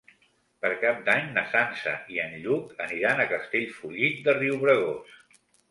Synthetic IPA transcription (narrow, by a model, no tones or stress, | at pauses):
pəɾkap̚d̪aɲnəsansə̰iənʎukəniɾanəkəst̪eʎfuʎit̪̚d̪əriuwβɾəɣos